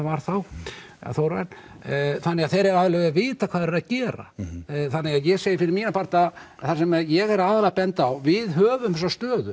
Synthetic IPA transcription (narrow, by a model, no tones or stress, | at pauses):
vaɾ̥θaw | a̰θowɾvɛn | θanːɛɣaðθejɾɛɾalœavɪːt̪akʰv̥aːðɛɾɛɾacɛːɾa̰θanːɛɣaðjɛseːjɪfɪɾɪɾmiːnapʰaɾ̥t̪a | θasɛmɛjɛɣɛɾaːðalapɛnt̪awvɪðɦœːvʏms̬ast̪œːðʏ